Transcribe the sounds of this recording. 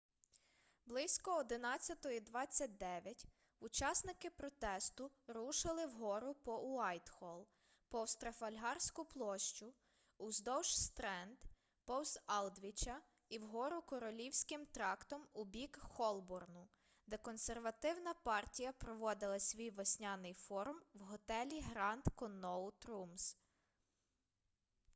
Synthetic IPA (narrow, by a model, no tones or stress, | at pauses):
blˠɪsʲkɔɔd̪ɪnɑt͡sʲːɐt̪ɔid̪ʋɑt͡sʲːɐt̚ʲd̪ɛʋʲjɐtʲ | ut͡ʃɑsnɪkɪpɾɔt̪ɛst̪ʊɾuʃɪlˠɪwɦɔɾʊpɔuɑjt̪xɔlˠ | pɔwst̪ɾɐfɐlʲɦɑrsʲkʊplˠɔʃt͡ʃʊ | uzd̪ɔwʃst̪ɾɛnd̪ | pɔwsɑlˠd̪ʋʲit͡ʃɐ | iwɦɔɾʊkɔɾɔlʲiwsʲkɪmt̪ɾɑkt̪ɔmubʲikxɔlˠbɔrnʊ | d̪ɛkɔnserʋɐt̪ɪwnɐpɑrtʲijɐpɾɔʋɔd̪ɪlˠɐsʲʋʲijʋɔsʲnʲɑnɪjfɔɾʊmwɦɔt̪ɛlʲiɦɾɑnt̪kɔnɔʊt̪ɾums